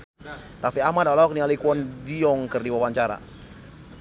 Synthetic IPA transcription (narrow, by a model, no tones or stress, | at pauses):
rafiamadawlaɔk̚nialikuɔndiɔŋkərdiwawaɲt͡ʃaɾa̰